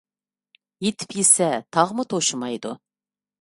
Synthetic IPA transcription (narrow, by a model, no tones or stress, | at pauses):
jet̪ʰɪ̥pjesɛt̪ʰɑʁmʊt̪ʰoʃumɑjd̪ṵ